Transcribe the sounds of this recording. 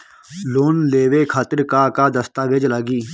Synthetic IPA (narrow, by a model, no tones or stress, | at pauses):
loːnleːʋeːkʰaːt̪əɾkaːkaːd̪əst̪aːʋed͡ʒlaɡiː